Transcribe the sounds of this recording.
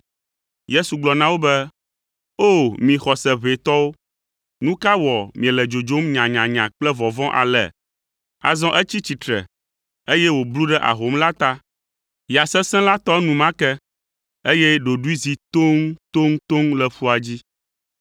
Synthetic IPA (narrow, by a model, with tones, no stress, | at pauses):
je˦su˨ɡ͡blɔ˨nã˦wo˦bɛ˦ | o˦˨mĩ˨xɔ˨sɛ˨βe˨t̪ɔ˦wo˦ | nũ˦ka˦wɔ˨mĩ˨ɛ̃˨lɛ˨d͡ʒo˨d͡ʒo˦mɲã˨ɲã˨ɲã˨k͡plɛ˦vɔ˨vɔ̃˦ʔa̰˨lɛ̰˨ | a̰˨zɔ̃˦ʔɛ˦t͡ɕi˦t͡ɕi˨t̪ɾɛ̰˨ | e˦jɛ˦wo˨blu˦ɖɛ˦ʔa̰˨ɦo˦mla˦t̪a˦ | ja˨sɛ˦sɛ̃˦la˦t̪ɔ˦nũ˨mã˦kɛ˦ | e˦jɛ˦ɖo˨ɖu˦i˦zi˨t̪o˦ŋt̪o˦ŋ˦t̪o˦ŋlɛ˨ɸu˦a˨d͡ʑi˦